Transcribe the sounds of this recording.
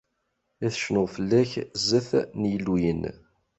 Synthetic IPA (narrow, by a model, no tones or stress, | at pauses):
æθə̥ʃnʊʁfəlːæçzːəθnjəlːujən